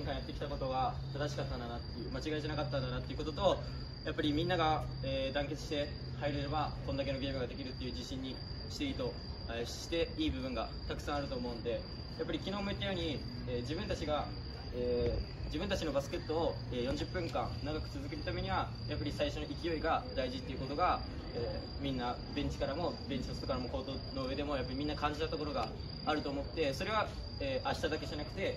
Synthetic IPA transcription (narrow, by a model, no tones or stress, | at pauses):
õŋkãj̃jat̪ːekʲt̪ako̞t̪o̞ɡat̪ad̪aɕ̬i̥kat̪ːãnd̪anat̪ːe̞jɯ̟mat͡ɕiɡaitenakat̪ːãnd̪anat̪ːe̞jɯ̟ko̞t̪o̞t̪o̞ | japːaɾʲimʲĩnːaɡaeːd̪ãŋke̞t͡sɨ̥ɕi̥t̪e̞ | haiɾeɾeβakond̪ak̬e̞no̞ɡʲe̞ːɡɯ̟ɡad̪e̞kʲiɾɯ̟t̪ːe̞jɯ̟ːd͡ʑiɕĩɲ̟ːi | ɕi̥t̪e̞it̪o̞ | eɕi̥t̪e̞iːbɯ̟bɯ̟̃ŋɡa | t̪akɯ̟̥sãaɾɯ̟t̪o̞ːmo̞ɯ̟nod̪e̞ | japːaɾikʲino̞ːmo̞et̪ːajo̞ɲ̟i | eːd͡ʑibɯ̟̃nt̪at͡ɕiɡa | eː | d͡ʑibɯ̟̃nt̪at͡ɕino̞basɨ̥ke̞t̪ːoːeːjõɲd͡ʑɨpːɯ̟̃ŋkã̰nnaɡakɯ̟t͡sɨzɨk̬eɾɯ̟t̪ame̞ɲ̟iβa | japːaɾʲisaiɕonoʔikʲijo̞iɡad̪aiʑit̪ːeiɯ̟ko̞t̪o̞ɡa | eː | mʲĩnːa | bẽ̞ɲt͡ɕi̥kaɾamo̞bẽ̞ɲ̟t͡ɕit̪osɨ̥t̪okaɾamo̞ko̞ːt̪ono̞ɯ̟βe̞d̪emo̞japːaɾimĩnːakãɲ̟d͡ʑit̪at̪o̞ko̞ɾo̞ɡaː | ɾɯ̟t̪o̞ːmo̞t̪ːe̞so̞ɾe̞β̞a | eːʔaɕi̥t̪ad̪ake̞ʑanakɯ̟̥t̪e̞